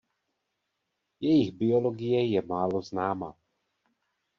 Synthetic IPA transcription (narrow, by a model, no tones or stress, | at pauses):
jɛjɪɣbɪoloɡɪjɛjɛmaːloznaːma